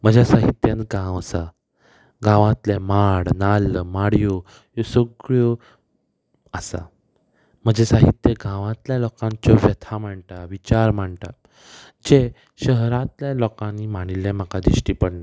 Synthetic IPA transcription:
m̤əd͡ʑasaɦit̪jãnt̪ɡãwəsa | ɡãʋãt̪lɛmaɽnalmaɽjo | jɔsoɡɭjo | əsa̰ | m̤əd͡ʑesaɦit̪jeɡãʋãt̪ljalɔkãɲt͡ɕɔʋjət̪ʰam̤aɳʈaʋit͡ɕaɾmaɳʈa | d͡ʑe | ɕəɦɾãt̪ljalɔkãnːimaɽ̃ilɛ̃m̤akad̪iɕʈipəɽna

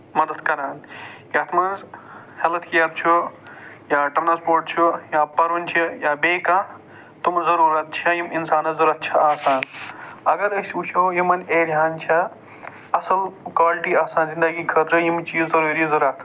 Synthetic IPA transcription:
mɐd̪ɐd̪kɐɾaːnjɐt̪ʰmanz | helɐt̪kijab̚t͡ʃʰu | jaːʈɾnaspoːɾʈ̚t͡ʃʰujaːpɐɾʋɐnt͡ʃʰijaːbeːka | t̪umzɐɾuːɾɐt̪̚t͡ʃʰɐjiminsaːnɐzɐɾɐt̪̚t͡ʃʰɐaːsaːnɐɡɐɾəsʲuːt͡ʃʰojimɐneːɾʱʲjaːnt͡ʃʰɐ | ɐsɐlkwaːlʈiːaːsaːnzind̪ɐɡikʰəːt̪ɾəjimt͡ʃiːzzɐɾuːɾizɐɾɐt̪ʰ

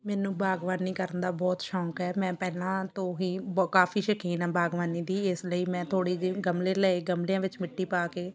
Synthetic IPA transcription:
mɛːnũːbaːɡʋaːniːkəɾənd̪aːbɔːt̪ʃɔ̃ːkɦɛːmɛ̃ːpɛːlãːt̪õːɦiːkaːfiːʃəkʰiːnãːbaːɡʋaːniːd̪iːɪsləiːmɛ̃ːt̪ʰoːɽiːd͡ʒiːɡəmleːləeɡəmlijãːʋɪt͡ʃmɪʈːiːpaːkeː

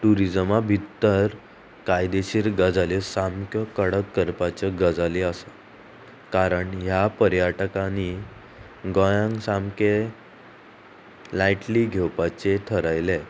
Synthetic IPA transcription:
ʈuɾid͡zəmabʱit̪ːəɾ | kajd̪eɕiːɾɡəd͡zalisamkjəkəɽəkːəɾpat͡ɕəɡəd͡zaliəsa | kaɾəɳɦjapəɾjaʈəkani | ɡɔjãŋɡsamke | lajʈliːɡʱewpat͡set̪ʰəɾajle

